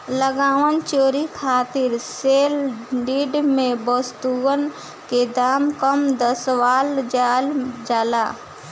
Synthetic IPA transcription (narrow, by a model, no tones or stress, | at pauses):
ləɡaːʋənt͡ʃoːɾikʰaːt̪ɪɾseːlɖiːɖmẽbəst̪uən | ked̪aːmkəmd̪əsʋaːld͡ʒald͡ʒaːlaː